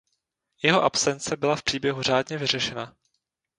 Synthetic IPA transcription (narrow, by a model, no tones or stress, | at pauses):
jɛɦo̞ʔapsɛnt͡sɛbɪlafpr̥iːbjɛɦur̝aːdɲɛvɪr̝ɛʃɛna